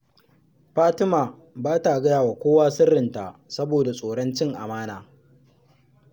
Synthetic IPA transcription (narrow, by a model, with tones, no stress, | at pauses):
ɸaː˦tɪ˦maː˨ | baː˦ta˨ɡɐ˦jaː˨waː˨kʷoː˦waː˦sʊ˦rːɪ˨nta̰˨sɐ˦boː˨da˨sʼoː˨ɽɐ˦nt͡ʃɪ˦ŋʔa̰˨maː˦naː˦